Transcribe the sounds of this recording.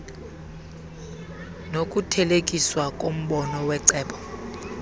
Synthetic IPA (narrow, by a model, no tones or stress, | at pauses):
nokʼutʰɛlekʼiswakʼom̩ɓɔnɔwɛǀɛːɓɔ